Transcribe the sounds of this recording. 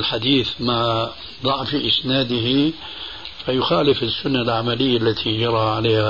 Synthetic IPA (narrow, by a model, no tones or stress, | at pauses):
lħad̪iːθma | d̪ˤɑʕfiʔɪsnaːd̪ɪɦi | fajʊxaːlɪfɪsːʊnːalʕamalɪjːalːat̪ʰid͡ʒɑɾˤɑʕaleːha